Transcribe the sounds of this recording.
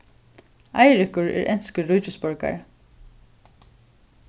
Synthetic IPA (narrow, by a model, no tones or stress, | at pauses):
ɑɪɹʏkʊɹæ̰ːɹʔɛnskəɹʉːcʊspɔɹka̰ɹ